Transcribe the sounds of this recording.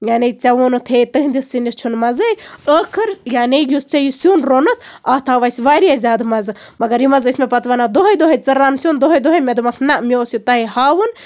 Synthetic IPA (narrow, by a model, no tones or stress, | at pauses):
jaːnet͡sʲɐʋunut̪ʰeːt̪ɨɦind̪isinist͡ʃʰunmɐzɨjəːkʰɨɾjaːnejust͡sɐjusjuːnɾoːnɨt̪ʰaːt̪ʰaːʋɐjsʋaːɾiazʲaːd̪mɐzɨmɐɡɐɾjimɐzismepɐt̪ʋɐnad̪oɦɐjd̪oɦɐjt͡sɐɾaːnsʲjuːnd̪oɦɐjd̪oɦɐjmʲed̪umɐkʰnɐʔmʲoːsjut̪ɐɦihaːʋɨn